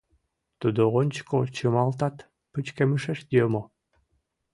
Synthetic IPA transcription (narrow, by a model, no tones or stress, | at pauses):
t̪ud̪oʁonʲt͡ɕkot͡ɕɯmɑlˠt̪ɑt̪ | pɨt͡ɕkemɨʃeʃd̪ʲiømo